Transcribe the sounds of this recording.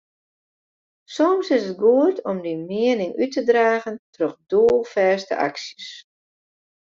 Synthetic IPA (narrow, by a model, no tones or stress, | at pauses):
sɔmsɪsət̚ɡuətʰɔmdimɪənɪŋʔytədraːɣəntroxduəlˠfɛːstə̰ʔa̰ksjəs